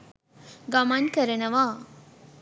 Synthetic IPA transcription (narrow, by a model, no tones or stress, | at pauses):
ɡɐmɐnkɐɾɐnɐʋaː